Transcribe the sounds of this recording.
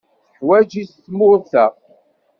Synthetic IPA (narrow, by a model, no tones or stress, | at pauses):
θəħwæd͡ʒisθmʊɾθəʁ